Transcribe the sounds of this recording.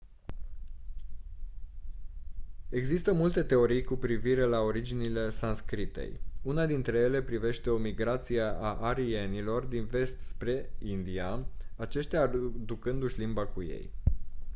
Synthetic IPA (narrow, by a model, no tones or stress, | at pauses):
e̞ɡzist̪əmult̪e̞t̪e̞o̞ɾijkupɾiviɾe̞lao̞ɾid͡ʒinile̞sanskɾit̪e̞̰junad̪int̪ɾe̞je̞le̞pɾive̞ʃt̪e̞o̞miɡɾat̪sijeʔaʔaɾie̞nilo̞rd̪inve̞st̪spɾe̞ind̪iaat͡ʃeʃt̪ʲad̪ukɨnd̪uʃʲlimbakuje̞̰j